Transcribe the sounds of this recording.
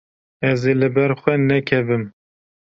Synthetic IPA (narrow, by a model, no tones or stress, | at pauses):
ɛzelɨbɛɾxʷɛnɛkʰɛvɨm